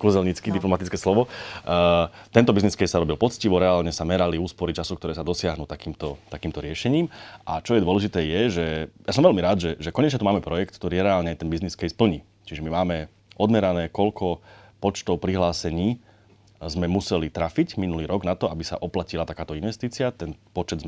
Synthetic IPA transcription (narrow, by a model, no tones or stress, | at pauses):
kuzɛlɲit͡skid̪iplɔmat̪it͡skɛːslɔʋɔ | t̪ɛnt̪ɔbizniskɛjsaɾɔbilpɔt͡sciʋɔɾɛaːlɲɛsamɛɾaliuːspɔɾit͡ʃasukt̪ɔɾɛːsad̪ɔsɪaɦnuːt̪akiːmt̪ɔt̪akiːmt̪ɔɾɪɛʃɛɲiːmʔat͡ʃɔjɛd̪ʋɔlɛʒit̪ɛːjɛʒɛjasɔmʋɛlmiɾaːd̪ʒɛʒɛkɔɲɛt͡ʃɲɛt̪umaːmɛpɾɔjɛkt̪̚k̚t̪ɔɾiːɛɾɛaːlɲɛajt̪ɛnbizniskɛjspl̩ɲiː | t͡ʃiʒɛmimaːmɛ | ʔɔd̪mɛɾanɛːkɔlkʰɔ | pɔt͡ʃt̪ɔʊpɾiɦlaːsɛɲiː | zmɛmusɛlit̪ɾaficminuliːɾɔɡnat̪ɔabisa̰ʔɔplacilat̪akaːt̪ɔinʋɛst̪iːt͡siɪat̪ɛnpɔt͡ʃɛd̪z